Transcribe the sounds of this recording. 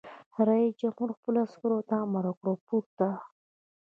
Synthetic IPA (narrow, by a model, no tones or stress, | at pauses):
ɾajid͡ʒamuɾxpəlaskəɾot̪amaɾakɽopuɾt̪a